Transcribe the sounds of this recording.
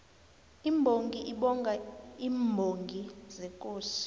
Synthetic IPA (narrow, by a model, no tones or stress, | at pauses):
imbʱoŋɡʱiʔiɓɔŋɡʱaiːmbʱoŋɡʱizɛkʼoːsi̥